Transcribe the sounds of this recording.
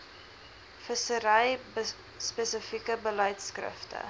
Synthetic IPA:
fəsəɾəjbə | spesəfikəbəlɐjtskrə̰ftə̰

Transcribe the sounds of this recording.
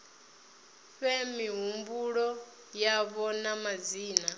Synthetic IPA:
ɸɛmiɦumbuɺɔ | jaβɔnamad͡ziːna

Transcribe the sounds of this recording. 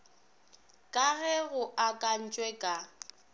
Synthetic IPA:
kʼaɣɛɣʊʔakʼan̩t͡ʃʼwɛkʼa

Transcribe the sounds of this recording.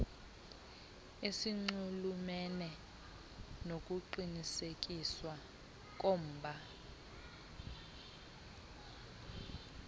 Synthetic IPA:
esiŋ͡ǀulumɛnɛ | nokʼuǃinisek̬ʼiswa | k̬ʼom̩ːbʱa

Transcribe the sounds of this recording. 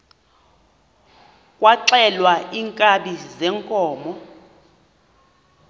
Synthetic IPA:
kʼwaǁɛlwaiŋkʼaɓizɛŋkʼɔːmɔ

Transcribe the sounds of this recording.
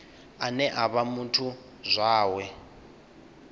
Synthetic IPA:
anɛʔaβamuntʰu | zʷaːwɛ

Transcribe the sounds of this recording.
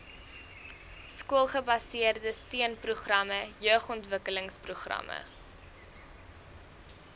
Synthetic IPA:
skuəlˠχəbɐsiərdəstiənpruχrɐməjøəχɔntvəkələŋspruχrɐ̰mə̰

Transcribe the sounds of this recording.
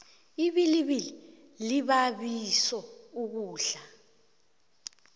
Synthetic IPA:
iɓiliɓili | liɓaɓisɔuk̬uːɬa

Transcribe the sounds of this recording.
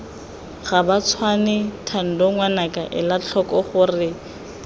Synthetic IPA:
χabat͡sʰwanɛtʰan̩dɔŋwanakʼaʔɪlat͡ɬʰɔkʼɔχʊrɪ

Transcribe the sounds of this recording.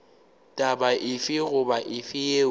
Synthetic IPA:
tʼabaʔɪfɪɣʊbaʔɪfɪje

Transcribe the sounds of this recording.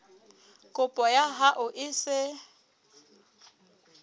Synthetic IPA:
kʼʊpʼɔjaɦaʔʊʔɪsɪ

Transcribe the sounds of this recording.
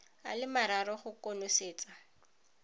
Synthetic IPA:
a̰lɪmaɾaɾɔχʊkonoseːt͡sʼa

